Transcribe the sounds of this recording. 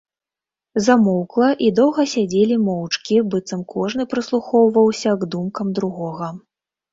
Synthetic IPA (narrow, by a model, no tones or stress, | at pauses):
zamɔwklˠɐʔid̪ɔwɣɐsʲad͡zʲelʲimɔwt͡ʂkʲibɨt̪sɐmkɔʐnɨpɾɨslˠuxɔwvɐwsʲɐɡd̪umkɐmd̪ɾuɣɔɣɐ